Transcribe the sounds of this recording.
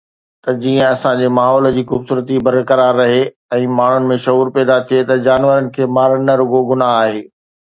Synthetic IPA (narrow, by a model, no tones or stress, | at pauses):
t̪ɐd͡ʑiːə̃ɐsãd͡ʑeːmaːɦɔːld͡ʑiːxʊːbsuːɾət̪ibɐɾkɐɾaːɾːɐɦe | ɛ̃ːmaːɳ̤ʊnɪ̆mẽʃɐɦuːɾpɛːd̪at̪ʰiet̪ɐd͡ʑaːnʋəɾənɪ̆kʰeːmaːɾnɐɾʊɡoɡʊnaɦaːɦeː